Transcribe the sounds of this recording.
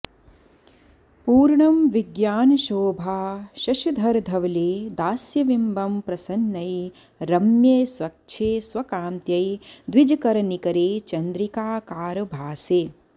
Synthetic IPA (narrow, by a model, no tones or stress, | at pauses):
puːɾɳɐmʋiɡjaːnɐʃoːbʱaːʃɐʃɐd̪ʱɐɾd̪ʱɐʋɐleːd̪aːsjɐʋimbɐmpɾɐsɐnːɐj | ɾɐmjeːsʋɐk̚ʃʰeːsʋɐkaːmt̪jɐjd̪ʋid͡ʒɐkɐɾɐɳikɐɾeːt͡ʃɐnd̪ɾikaːkaːɾɐbʱaːseː